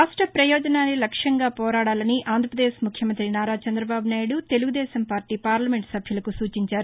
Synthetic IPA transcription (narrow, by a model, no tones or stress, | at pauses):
aːʂʈɾɐpɾɐjɔːd͡ʒɐnaːnːilɐkʂɐŋɡaːpɔːɾaːɽaːlɐniaːnd̪ʱɾɐpɾɐd̪eːʃmukʰjɐmɐnt̪ɾinaːɾaːt͡ʃɐnd̪ɾɐbaːbunaːjɽut̪e̞luɡud̪ɛːʃɐmpaːɾʈiːpaːɾlɐme̞ɳʈsɐbʱjulɐkusuːt͡ʃiɲt͡ʃaːɾu